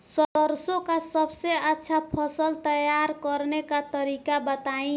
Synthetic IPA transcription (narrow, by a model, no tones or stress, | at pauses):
sʌdʌɾsõkasʌbseatːsʰapʰʌsəlt̪ʌjaɾkʌɾnekat̪ʌɾikabʌt̪aĩ